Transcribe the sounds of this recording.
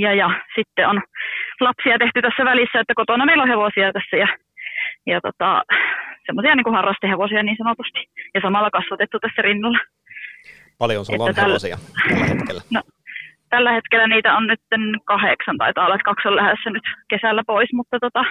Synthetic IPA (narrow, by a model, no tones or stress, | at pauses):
jɑjɑsit̪ːeonlɑpsiɑt̪eht̪yt̪æsːæʋælisːæet̪ːækot̪onɑmeiloheʋosiɑt̪æsːæjɑ | jɑt̪o̰t̪ɑ̰semːosiɑniːŋkuhɑrːɑst̪eheʋosiɑniːnsɑnot̪ust̪i̥jɑsɑmɑlːɑkɑsʋɑt̪et̪ːut̪æsːærinːɑlːɑ | pɑljo̰nsʔḛːæt̪ælːsḭɑhkḛlːæno | t̪ælːæhet̪kelːˑæniːt̪æonnyt̪ːenkɑheksɑnt̪ɑ̰it̪ɑːlːɑt̪kɑksollæhæsːænyt̪kesælːæpoismut̪ːɑt̪ot̪ɑ